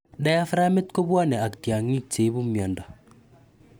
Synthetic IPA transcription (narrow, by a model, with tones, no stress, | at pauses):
ɗa˦ja˦fɾa˦me˦tko˦ba˦nɛ˨a˨ktja˨ŋi˦k̚t͡ʃe˨˦bu˦mjɔ˨nda˨